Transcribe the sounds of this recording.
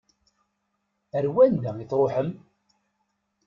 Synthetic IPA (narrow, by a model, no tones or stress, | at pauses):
əɾwænd̪æiθɾˤoħəm